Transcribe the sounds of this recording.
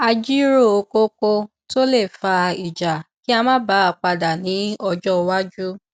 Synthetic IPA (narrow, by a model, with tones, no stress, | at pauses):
a˧d͡ʒi˦ɾo˦˨o˧ko˦ko˧ | to˦le˦˨fa˧i˨d͡ʒa˨ki˦a˧mã˦ba˨˦a˧k͡pa˧da˨nĩ˨˦ɔ˧d͡ʒɔ˦˧wa˦d͡ʒu˦